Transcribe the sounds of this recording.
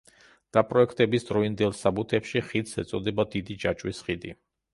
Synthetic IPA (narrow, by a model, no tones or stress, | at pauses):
d̪̥apʼɾɔɛkʰt̪ʼɛbisd̪ɾɔind̪ɛlˠsabut̪ʰɛpʃiχid̪sɛt̪sʼɔd̪ɛbad̪id̪id͡ʒat͡ʃʼwisχid̪ḭ